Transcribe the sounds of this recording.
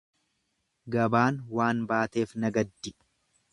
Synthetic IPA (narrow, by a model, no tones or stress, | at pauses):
ɡɐbaːnwaːnbaːt̪e̞ːfnɐɡɐd̪ːɪ